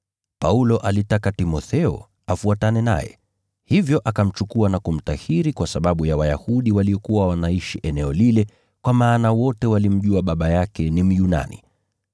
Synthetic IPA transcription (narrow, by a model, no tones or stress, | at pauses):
paulɔʔalitakatimɔθɛɔ̰ | afuatanɛna̰jɛ̰ | hivjɔʔakam̩t͡ʃukuanakum̩tahiɾikwasaɓaɓujawaja̰huɗiwaliɔkuwawanaiʃiʔɛnɛɔlilɛ | kwamaːnawɔtɛwalim̩ʄuaɓaɓajakɛnim̩juna̰nḭ